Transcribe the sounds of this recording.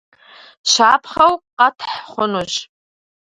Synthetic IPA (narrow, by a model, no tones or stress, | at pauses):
ʃʷapʰχawqʼatʰħχʷʊnot͡ʃʼ